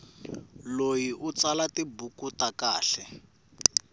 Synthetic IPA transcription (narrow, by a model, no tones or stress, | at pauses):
lojiʔut͡salatibukutakaːɬɛ